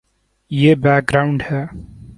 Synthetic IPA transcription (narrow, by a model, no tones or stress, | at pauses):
jeːbɛːk̚ɡɾaʊ̃ɳɖhɛː